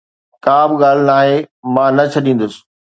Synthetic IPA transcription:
kaːbɪɠaːl̤ɪnaːɦemãːnɐt͡ɕʰɐɗĩːn̆d̪ʊsɪ̥̆

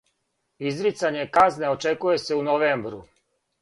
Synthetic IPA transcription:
izɾit̪saɲe̞kazne̞ot͡ʃe̞kuje̞se̞unoʋeːmbɾu

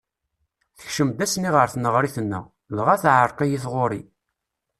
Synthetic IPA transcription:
θə̥çʃəmd̪æsniʁəɾθnəʁɾiθənːə̰ | lʁaθʕəɾˤqijiθʁoɾḭ

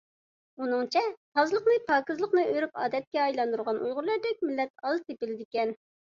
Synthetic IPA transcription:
unɨŋt͡ʃʰɛt̪ʰɑzɨlˠəqnɨpʰɑːkɨzlˠəqnɨøɾypɑ̰ːd̪ɛt̪̚kʲɛɑjlˠɑnd̪uɾʁɑnʔṵjʁʊɾlˠɑɾd̪ɛk̚ʲmɪlːɛt̪ɑlˠt̪ʰepɪlɪd̪ɪkʲɛn

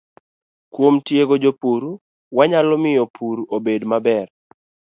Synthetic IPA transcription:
kwomtjeɡod͡ʒopuɾu | waɲalɔmɪjopʰuɾobedmabɛr

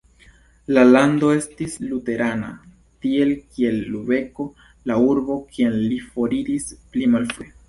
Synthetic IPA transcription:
lalando̞e̞stislute̞ɾʔana̰ | tie̞lkie̞lːube̞ko̞ | lauɾbo̞kʰienlifo̞ɾiɾisplimalfe

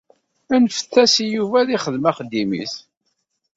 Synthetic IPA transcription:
ænfə̥θːæsijuvæðiχəðmæχəd̪ːimḭθ

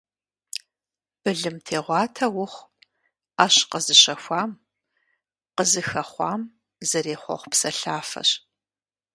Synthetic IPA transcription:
b̥ɨɮɨmtʰeːʁʷɑːtʰɐwʊχʷ | ɐɕqəzɨɕɐxʷɑːm | qəzɨxɐχʷɑ̰ːm | zɐɾeːχʷɔ̰χʷpsɐɬaːfɐ̰ɕ

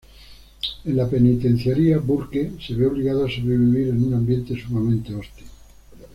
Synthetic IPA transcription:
enlapenit̪ẽn̟θjaɾiabuɾkeseβeoβliɣaðoasoβɾeβiβiɾenunãmbjent̪esumamẽnt̪eost̪i

